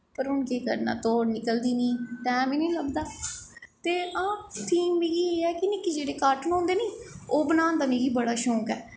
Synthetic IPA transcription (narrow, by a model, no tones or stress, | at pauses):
pəɾɦʊnkeːkə̰ɾna̰ːt̪oːnɪkəld̪iːnĩːt̪ɛ̃ːmẽːnĩːləɡd̪aːt̪eːãːt̪ʰiːmːiɡiːeːɛːkɪnɪkid͡ʒeːɽeːkaːɾʈənõːnd̪eːniːoːbənaːnd̪aːmiːɡiːbəɽaːʃɔ̃ːkɛː